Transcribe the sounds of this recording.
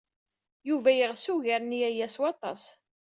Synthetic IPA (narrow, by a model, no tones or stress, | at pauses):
juvæjəʁsuʝaɾnijæjæswɑt̪ˤɑ̰s